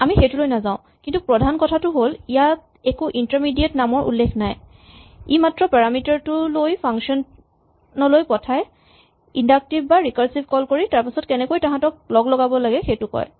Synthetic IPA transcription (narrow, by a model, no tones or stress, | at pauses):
amixejtulojnazãʊ̃ | kintupɹɔdʱankɔtʰatʊɦolijat̚ | ɛkuʔintaɹmidiatnamɔɹʔṵlːekʰnaj | imatɹɔpaɹamitaɹtʊlojpʰaŋkʃɔn | nɔlojpɔtʰaj | indak̚tibbaɹikaɹsibʱkɔlkoɹitaɹpisɔtkɛnɛkojtaɦãtɔk̚lɔɡlɔɡabɔlaɡɛxejtʊkɔ̰j